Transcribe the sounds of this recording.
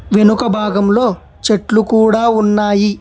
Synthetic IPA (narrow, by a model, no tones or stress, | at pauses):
ʋenukɐbʱaːɡɐmlo̞ː | t͡ʃeʈlukuːɽaːunːaːji